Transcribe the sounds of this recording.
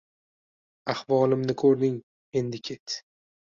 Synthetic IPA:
ahvɒlɪmnɪkʰɵɾd̪ɪŋ | e̞nd̪ɪkʲʰe̞t̪

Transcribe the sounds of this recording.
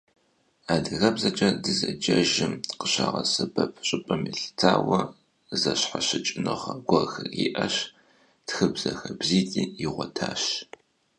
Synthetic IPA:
aːdɨɣɐbzɐd͡ʒʼɐdɨzɐd͡ʒɐʒɪmqəɕaːʁɐsɨbɐpʰɕʼɪpʼɐmiɬt͡sʰaːwɐ | zɐɕħaɕɪt͡ʃʼɪnɨχɐɡʷɐxɨiʔɐɕ | txɨbzɐxɐbziːtʼiːjiʁʷɔtʰaːɕ

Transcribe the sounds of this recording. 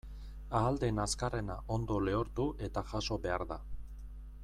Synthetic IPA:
aːld̪e̞naskare̞naʔo̞nd̪o̞le̞oɾt̪uʔe̞t̪aʝaso̞βe̞aɾða

